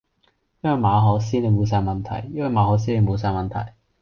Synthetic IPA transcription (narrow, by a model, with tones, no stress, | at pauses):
jɐ˥nwɐ˨jmaː˨˧ɦɔː˨˥s̬iː˥ne˨˧mo˨˧ws̬aː˧jmɐ˨nt̪ʰɐ̰˨˩jːɐ˥nwjmaː˨˧hɔː˨˥s̬iː˥ne˨˧mo˨˧ws̬aː˧jmɐ˨nt̪ʰɐ̰˨˩j